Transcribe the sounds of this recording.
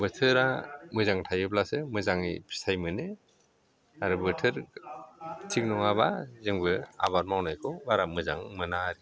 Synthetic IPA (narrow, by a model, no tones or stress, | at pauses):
bɯtʰɯɾamɯzaŋtʰajɯplasɯmɯzaŋḭpʰi̥sajmɯnɯ | aɾɯbɯtʰɯɾ | tʰik̚nɔŋaβazɯŋbɯa̰βaɾ̚mawnajkʰɔbaɾamɯzaŋmɯnaɾi